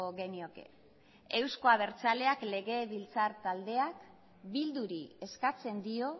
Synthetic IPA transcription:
oɣe̞nio̞ke̞̰ | e̞wsko̞aβe̞ɾt͡sale̞akle̞ɣe̞βilt͡saɾt̪ald̪e̞ak | bild̪uɾie̞skat͡se̞nd̪io̞

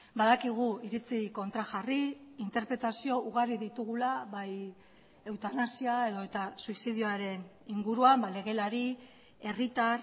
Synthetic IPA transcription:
baðakiɣ̞uiɾit͡siko̞nt̪ɾaxariint̪e̞ɾpɾe̞t̪asio̞ʔuɣariðit̪uɣ̞ulaβaj | e̞wt̪anasiae̞ðo̞e̞t̪asuisiðioaɾe̞n | iŋɡuɾuambale̞ɣ̞e̞laɾi | e̞rit̪ar

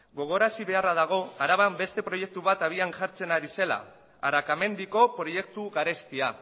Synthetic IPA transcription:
ɡo̞ɣ̞o̞ɾasiβe̞arað̞aɣ̞o̞aɾaβambe̞st̪e̞pɾo̞je̞k̚t̪uβ̞at̪aβ̞ianʝaɾt͡se̞naɾise̞la̰ | aɾakame̞nd̪iko̞pɾoje̞kt̪uɣaɾe̞st̪ia

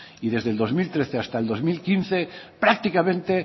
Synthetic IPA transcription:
iðe̞zðe̞ld̪ozmilt̪ɾeθeast̪aeld̪o̞zmilkinθe̞pɾak̚t̪ikamẽnt̪e̞

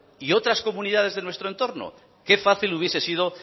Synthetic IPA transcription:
io̞t̪ɾasko̞mũniðað̞e̞zðe̞nwest̪ɾoent̪o̞ɾno̰ | ke̞faθiluβje̞se̞sið̞o̞

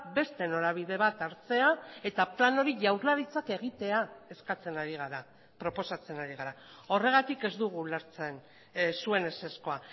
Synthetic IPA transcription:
be̞st̪e̞no̞ɾaβ̞iðe̞β̞at̪aɾt͡se̞ae̞t̪aplano̞ɾiʝawɾlaɾit͡sake̞ɣ̞it̪e̞ae̞skat͡se̞naɾiɣaɾa | pɾo̞po̞sat͡se̞naɾiɣaɾa | o̞re̞ɣ̞at̪ike̞zd̪uɣ̞ulaɾt͡se̞n | sue̞nese̞sko̞a

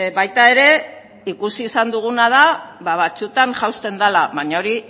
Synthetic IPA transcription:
βajt̪ae̞ɾe̞ | ikusiːsand̪uɣ̞unað̞aβaβat͡sut̪aŋʝawst̪e̞nd̪alaβaɲao̞ɾi

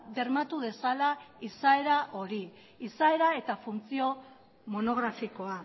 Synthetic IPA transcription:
ðe̞ɾmat̪uð̞e̞salaisae̞ɾaʔo̞ɾi | isae̞ɾae̞t̪afunt͡sio̞ | mo̞no̞ɣ̞ɾafiko̞a

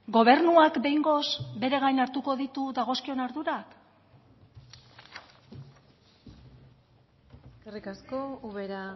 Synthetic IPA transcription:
ɡo̞β̞e̞ɾnuakbe̞jŋɡo̞sbe̞ɾe̞ɣ̞ajnaɾt̪uko̞ðit̪uðaɣ̞o̞skio̞naɾðuɾak | skarikaskouβeɾa

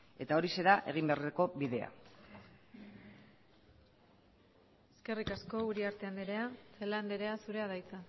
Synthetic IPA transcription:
e̞t̪ao̞ɾise̞ɾaʔe̞ɣimbeareko̞biðe̞a̰ | eske̞rikasko̞uɾiaɾt̪e̞and̪eɾeaseland̪eɾe̞asuɾe̞aðajt͡sa

